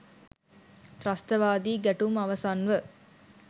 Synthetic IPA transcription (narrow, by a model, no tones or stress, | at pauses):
t̪ɾast̪əʋaːd̪iːɡæʈumaʋɐsanʋə